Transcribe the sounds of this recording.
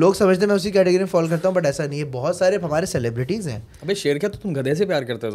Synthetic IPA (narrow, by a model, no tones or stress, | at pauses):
loːɡsɐməd͡ʒʱt̪̬emɛ̃ʊsikɛːʈeɡɾimefɔːlk̬ɐɾt̪aɦũbɐʈ̬ɛːsanɐɦĩebɔɦʊt̪saːɾeɦɐmaːɾesɛlebɾɪʈizɦɛ̰̃ː | ɐbeːʃeːɾkeat̪ot̪ʊmɡʱɐd̪eːs̬epjaːɾkɐɾt̪eɦoːs